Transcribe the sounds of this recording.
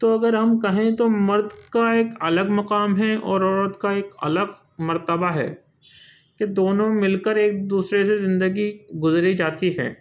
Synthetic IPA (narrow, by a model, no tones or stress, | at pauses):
t̪oɐɡəɾɦɐmkɐɦẽt̪omɐɾd̪kaeːkɐləɡmɐqaːmɦɛɔːɾɔːɾəd̪kaeːkɐ̰ləɡ | mɐɾt̪əbaɦɛ̰ː | ked̪oːnõmɪlkəɾeːk̚d̪uːsɾesezɪ̃nd̪əɡiɡʊzɾid͡ʒaːt̪iɦɛ̰ː